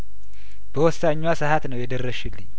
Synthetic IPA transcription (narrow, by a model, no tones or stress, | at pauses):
b̥əwɔsːaɲːwasɨhat̪nəwjɛd̪ərːəʃɪlːɨɲː